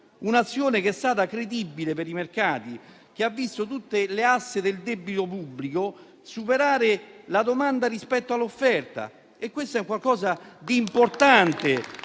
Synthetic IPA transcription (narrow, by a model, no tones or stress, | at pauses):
unat̪sːjoːnek̟eɛst̪aːt̪akɾed̪ibːilepeɾimerkaːt̪i | k̟eavːist̪ot̪ut̪ːeleasːed̪eld̪ɛbːit̪opubːliko | supeɾaːɾɪlad̪omand̪aɾispɛt̪ːoalːofːɛrt̪a̰ | ekːwest̪ɛkːwalkɔːzad̪iːmport̪ant̪e